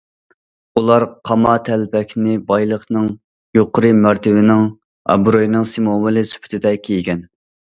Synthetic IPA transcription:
ulˠɑɾqʰɑmɑt̪ʰɛlpɛkʲʰnɪbɑjlˠəχnɨŋ | joqʰəɾɨmæɾt̪ʰɪvɪnɪŋ | ɑ̰bɾojnɨŋsimomɨlɨsy̥pʰy̥t̪ʰɪd̪ɛkʲʰejɡʲɛn

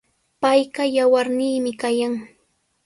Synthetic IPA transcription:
pajɢɑjawaɾniːmɪkajaŋ

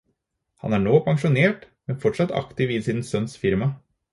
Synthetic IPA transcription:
hɑ̰næːɳoːpʰɑŋʂʊneːʈ | mɛnfɔʈʂɑt̪ːɑ̰kt̪ɪʋɪsiːnn̩sœnsfɪɾmɑ

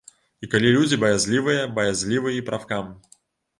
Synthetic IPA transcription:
ikalʲilʲud͡zʲɪbɐjazʲlʲivɨjəbɐjazʲlʲivɨjipɾʔafkam

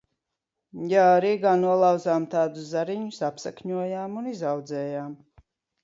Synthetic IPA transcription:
jaːaɾiːɡanuɔlˠawzaːmt̪ʰaːd̪uszaɾiɲusapsa̰kɲuɔjaːmunizawd̪zɛːjaːm

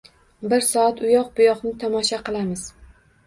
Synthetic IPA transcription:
bɪɾsɒat̪ʊjɒq̚bʊjɒqnɪt̪ʰɒmɒʃaqɨlˠamɪz̥

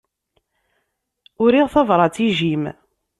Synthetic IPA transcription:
ʊɾiʁθɑvɾˤɑt͡siʒim

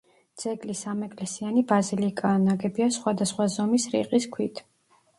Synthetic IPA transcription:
d̪z̥ɛɡlisamɛkʼlɛsianibazilikʼaːnaɡɛbiasχwad̪asχwazɔmisɾḭqʼiskʰwit̪ʰ

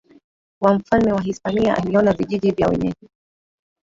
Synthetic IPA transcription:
wam̩falmɛwaɦispaniaʔa̰liɔnaviʄiʄivjawɛ̰ɲɛʄɛ

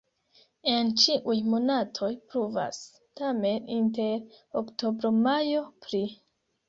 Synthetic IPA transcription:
e̞nt͡ʃiʔujmo̞natʰo̞jpɾuva̰s | tame̞ninte̞ɾokto̞bɾo̞majo̞pɾi

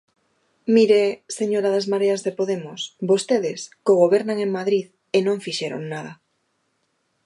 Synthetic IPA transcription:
miɾeseɲoɾaðazmaɾeazðepoðemosbost̪eð̞eskoɣ̞oβ̞eɾnaŋeŋmaðɾið | enõɱfiʃeɾo̰ŋnað̞a

